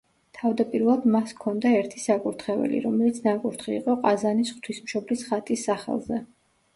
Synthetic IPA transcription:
t̪ʰavd̪apʼiɾvɛlˠd̪maskʰɔnd̪aɛɾt̪ʰisakʼuɾt̪ʰχɛvɛ̰lḭɾɔmɛlit̪sʰnakʼuɾt̪ʰχḭːqʼɔqʼazanisχt̪ʰwismʃɔblisχat̪ʼisːaχɛ̰lˠzɛ

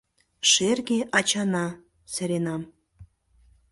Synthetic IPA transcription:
ʃerɣeʔɑt͡ɕɑnɑ | sɘ̆ɾenɑm

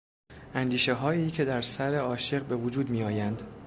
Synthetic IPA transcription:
ʔænd̪iːʃe̞ɦɒːiːcʰe̞d̪æɾsæɾe̞ɒːʃe̞ɣbe̞vod͡ʒuːd̪miːɒːjænd̪

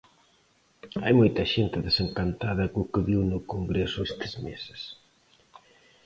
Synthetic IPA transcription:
a̰jmojt̪ɐʃent̪ɪðeseŋkant̪aðɐkʊkɪβiwnʊkoŋɡɾesʊest̪ɪ̥zmesɪ̥s

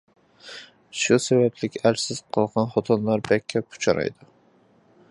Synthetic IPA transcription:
ʃʊsabablɪkʲasɪz̥qʰɨlˠqɑnχɒt̪ʰɒnlaɾbakʲʰːapʰʊ̥t͡ʃʰaɾa̰jd̪ɪ

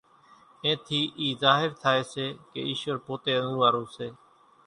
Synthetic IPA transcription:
ẽːt̪ʰiːʔiːzaːɦɪɾt̪ʰaːeːseːkḛːiːʃʋəɾpoːt̪eːənũːʋaːɾõːseː

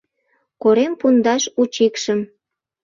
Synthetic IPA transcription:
koɾempund̪ɑʃut͡ɕikʃəm

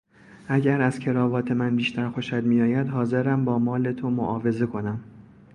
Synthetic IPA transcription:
ʔæɟæɾæz̥cʰe̞ɾɒːvɒːt̪ʰe̞mænbiːʃt̪æɾxo̞ʃæd̪mijɒːjæd̪ɦɒːze̞ɾæmbɒːmɒːle̞t̪ʰo̞mo̰ʔɒːve̞ze̞kʰo̞næm

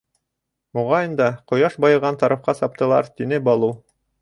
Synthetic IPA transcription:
muʁɑjɤnd̪ɑqŏjɑʃbɑjɤ̆ʁɑnt̪ɑɾɑfqɑsɑp̚t̪ɤ̆lˠɑ̰ɾt̪inɘbɑlˠu

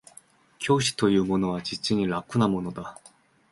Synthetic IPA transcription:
kʲʰo̞ːɕi̥t̪o̞jɯ̟ːmo̞no̞β̞ad͡ʑit͡ɕiɲ̟iɾakːɯnamo̞no̞d̪a

